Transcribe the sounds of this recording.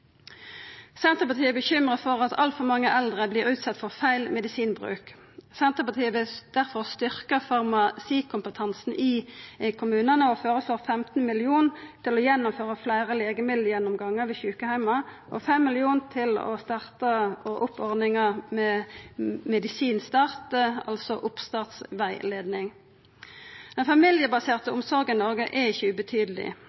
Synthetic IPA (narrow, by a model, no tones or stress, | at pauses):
sɛnt̪əʁpɑt̪ʰiːəbəçʏmʁəfɔʁɑt̪ʰɑ̰lt̪fɔʁmɑŋːəʔɛld̪ʁəbliːʁʉːt̪sɑt̪fɔʁfæɪlmɛd̪ɪsiːnbʁʉ̰ːk | sɛnt̪əpɑt̪ʰiːəbəd̪̥æʁfɔʁst̪ʏʁkəfɑʁmɑsiːkʰʊmpət̪ʰɑnsn̩ʔɪkʰʊmʉːnənəɔføːʁəsloːʁfɛmt̪n̩mɪlɪuːnt̪ʰɪlɔjɛnːʊmføːʁəflæɪʁəleːɡəmɪd̪ljɛnːʊmɡɑŋːəɾʋɪçʉːkəhæɪmɑʔɔfɛmːɪlɪuːnt̪ʰɪlɔ̰st̪ɑʁt̪ɑɔʔʊpʰːɔʁd̪nɪŋəmɛ | mɛd̪ɪsiːnst̪ɑːʁt̪əɑ̰lsɔʔʊpst̪ɑːʁt̪sʋæɪleːd̪nɪŋ | d̪̥ɛnfɑmɪljəbɑseːʁt̪əʊmsɔʁɡɪnɔʁɡəʔɛɪçəʉbət̪ʰyːd̪əlɪ̰